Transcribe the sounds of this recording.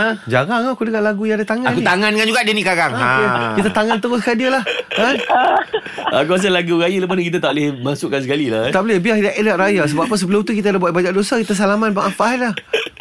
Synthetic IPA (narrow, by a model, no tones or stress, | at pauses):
ad͡ʒaɾaŋakudəɡaʔlaɡujaadat̪aŋaãnkut̪aŋankand͡ʒuɡaʔdənikaɾaŋaekit̪̬at̪aŋant̪əɣʊskadiəlahkan | a̰kuas̬alaɡuɣajələp̬anəkit̪at̪aʔlemasʊʔkans̬əkalilat̪aʔbəlɛbiahdaʔedaʔɾajas̬əbaʔpːəsəbəlʊmt̪ukit̪̬adabuat̪̚bad͡ʒaʔ̚dosakit̪as̬alamat̪̚baʔafaʔɦanlah